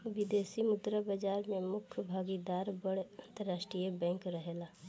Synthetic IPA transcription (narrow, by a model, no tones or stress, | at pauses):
ʋɪd̪eːsimʊd̪ɾabad͡ʒaːɾmẽmʊkʰbʱaːɡid̪aːɾbəɽɐ̃nt̪əɾːaːʃʈɾijəbɛ̃ːŋkɾəɦelaː